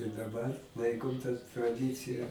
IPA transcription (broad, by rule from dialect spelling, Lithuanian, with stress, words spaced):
ɪ dɐˈbɐr ˈlˠɐɪkoːm tɐ trɐˈdʲɪt͡sʲɪjɛ